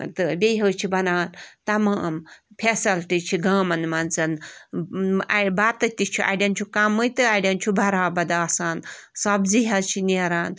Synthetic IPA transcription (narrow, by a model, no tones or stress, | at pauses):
t̪ɨbeɦɐːt͡ʃʰibɐnaːnt̪ɐmampʰesɐlʈit͡ʃʰiɡaːmɐnmɐnt͡sɐn | baːt̪ːɐt̪it͡ʃʰuʔa̰ɖʲɐnt͡ʃʰukamːɨjt̪ɨaɖʲɐnt͡ʃʰubʱɐɾaːbɐd̪aːsaːn | sɐbziɦɐt͡ʃʰineːɾaːn